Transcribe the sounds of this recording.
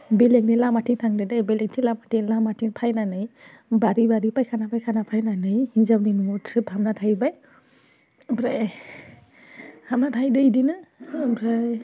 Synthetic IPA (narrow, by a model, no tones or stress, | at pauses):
belek̚nilamatʰiŋtʰaŋdɯdajbelek̚tʰilamatʰilamatʰiŋpʰajnanɯj | baɾibaɾipajkʰanapʰajkʰanapʰajnanɯjhizawninuɔtʰɯphamnatʰajbaj | bɾaj | hamnatʰajdɯjdinɯbɾaj